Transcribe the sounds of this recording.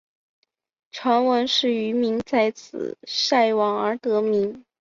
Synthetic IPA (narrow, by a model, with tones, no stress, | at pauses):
ʈ͡ʂʰwa˧˥nwə˧˥nʂɻ̩˥˩y˧˥mi˧˥ŋt͡sa˥˧ɪt͡sʰɹ̩̰˨˩ʂa˥˩ɪwɑ˨˥ŋə˞˧˥t̪ɤ˧˥mi˧˥ŋ